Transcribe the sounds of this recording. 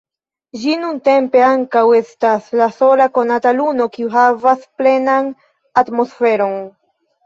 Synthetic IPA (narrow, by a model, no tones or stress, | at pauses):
d͡ʒinunte̞mpe̞aŋkawe̞staslaso̞lako̞nataluno̞kiuɦavasple̞nan | atmo̞sfe̞ɾo̞n